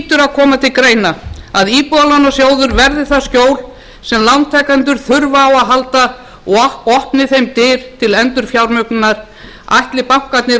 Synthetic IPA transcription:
t̪ʏɾaðkʰɔːmat̪ʰɪlkɾeːjnaaðiːpɔðalanːasjoːwðʏɾvɛɾðɪθascjoːwl | sɛmlawnt̪ʰɛkant̪̬ʏɾ̥θʏɾvaːwaðɦalt̪a | ɔɔhpnɪθejmt̪ɪːɾ̥t̪ʰɪlɛnt̪ʏɾ̥fjawɾmœknnːaɾ̥ | ajht̪lɪpaw̥kat̪nɪ

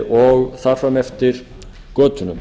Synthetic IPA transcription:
ɔɣθar̥fɾamɛft̪ɪɾ̥ | kœːt̪ʏnʏm

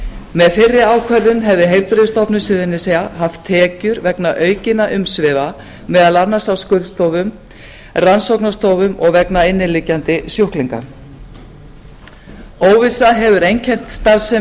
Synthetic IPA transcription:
mɛðfɪrːɪaːwkʰvɛɾðʏmɦɛvðɪɦejlpɾɪst̪ɔpnʏsʏðɪnːɪsɛjaɦaft̪ʰːɛːcʏɾvɛknaʔœːɥcɪnːaʔʏmsvɪva | mɛðalanasawskʏɾðst̪oːwvʏm | ransowknast̪owvʏmɔɣvɛknaɪnːɪlɪcːant̪ɪsjowhkliŋka̰ɾ | oːwvɪsaɦɛvʏɾejncʰɛn̥t̪st̪aɾsɛ

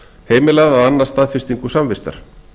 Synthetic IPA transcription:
heːjmɪlaðaðanːaɾ̥st̪aːðfɪ̥st̪iŋkɵsamvɪst̪a̰ɾ̥

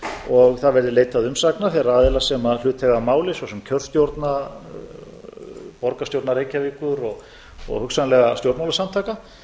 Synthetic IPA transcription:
ɔɣθaðvɛɾðɪleːjt̪aðʏmsaknaθɛɾaaːðɪlasɛmaðlʏːt̪ʰɛɣamaːwlɪsɔsɛmcʰœr̥st̪jowɾt̪na | pɔɾkast̪jowɾt̪naɾeːjcavɪːkʏɾɔɣ | ɔ̰ɣhʏksanlɛɣast̪jowɾt̪mawlasamt̪ʰaːka

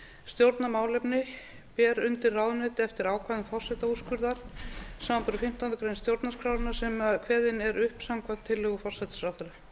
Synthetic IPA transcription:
st̪jowɾt̪namaːwlɛjpnɪ | pɛːɾʏnt̪ɪrːawðʏnɛːt̪ɪɛft̪ɪɾaːwkʰaðʏmfɔr̥sɛt̪auskʏɾðaɾ̥saːmampʏɾʏfɪm̥t̪awnt̪ʏkɾejnst̪jowɾt̪naskʰɾaːwɾɪnasɛmakʰvɛːðɪnɛɾʏhpsaŋkʰvant̪ʰːɪlːœɣʏfɔr̥sɛt̪sɾaθʏɾʏ

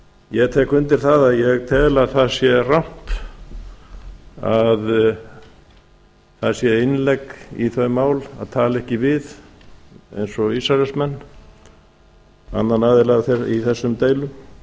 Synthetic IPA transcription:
jɛɣt̪ʰɛːkʏnt̪ɪɾ̥θaðaðjɛɣt̪ʰɛːlaðθaðsjɛram̥p̪ | að | θasjɛɪnlɛkḭθœɥmaːwla̰ðt̪ʰaːlɛhcɪvɪð | ḛjnsɔisaɾɛsmɛnː | a̰nːanaːðɪlaɣθɛiθɛsːʏmt̪eːjlʏm

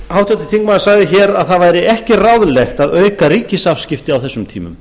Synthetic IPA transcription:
haːwt̪ʰɛt̪ɪ̥θiŋkmaðsaɣðɪçɛːɾaðθaðvaːjɾɪʔɛhcɪrawðlɛxt̪aðœːɥkaɾiːcɪsafscɪft̪ɪawθɛsːʏmt̪ʰḭːmʏ̰m

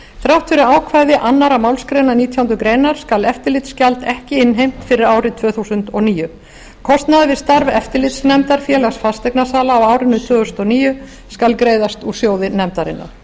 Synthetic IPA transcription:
θɾjawht̪fɪɾɪaːwkʰvaːjðɪʔanːaɾamawlskɾejnaniːt̪ʰjawunt̪ʏkɾeːjnaɾ̥skalɛft̪ɪɾlɪt̪scalt̪ɛhcɪɪnɦejm̥t̪fɪɾɪɾaːwɾɪt̪ʰvœːθuːsʏnt̪ɔniːjʏ | kʰɔst̪naðvɪst̪aɾvɛft̪ɪɾlɪt̪snɛmt̪aɾ̥fjɛːlasfast̪ɛknasaːlaːwawɾɪnʏt̪ʰvœːɣʏsnɔniːjʏ | skalkɾeːjðast̪usjoːwðɪnɛmt̪aɾɪ̰nːa̰ɾ̥

